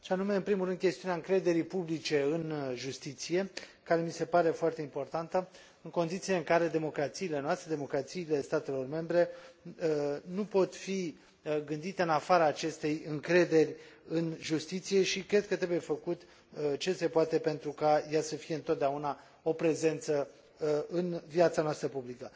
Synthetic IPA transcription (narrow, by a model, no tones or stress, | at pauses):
ʃeanume̞ɨnpɾimulrɾɨnd̪̚kʲe̞st̪iuneaɨŋkɾe̞d̪e̞ɾipublit͡ʃe̞ɨnʒust̪it̪sije̞kaɾe̞mise̞paɾe̞foart̪e̞impo̞rt̪ant̪ə | ɨŋko̞nd̪it̪sileɨŋkaɾe̞d̪e̞mo̞kɾat̪siːle̞noast̪ɾe̞d̪emo̞kɾat̪siːle̞st̪at̪e̞lo̞rme̞mbɾe̞ | nupo̞t̪fi | ɡɨnd̪it̪e̞ɨnafaɾaːt͡ʃe̞st̪e̞jɨŋkɾe̞d̪e̞rʲɨnʒust̪it̪sije̞ʃikɾe̞d̪̚kət̪ɾe̞bujefəkut̪ | t͡ʃe̞se̞poat̪e̞pe̞nt̪ɾukajasəfije̞ɨnt̪ot̪̚d̪eauna | o̞pɾe̞ze̞nt̪sə | ɨnvjat̪sanoast̪ɾəpublikə